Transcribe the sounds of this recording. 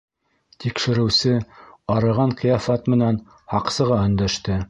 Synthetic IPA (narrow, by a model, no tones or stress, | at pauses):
t̪ikʃɘ̆ɾɘ̆wsɘɑɾɤ̆ʁɑɴqijɑfɑt̪mɘ̆næn | hɑqsɤ̆ʁɑɵ̆nd̪æʃt̪ɘ